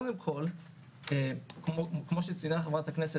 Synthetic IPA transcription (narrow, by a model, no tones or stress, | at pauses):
d̪emkʰo̞l | ekmokmo̞ʃet͡sinaχevʁat̪aknese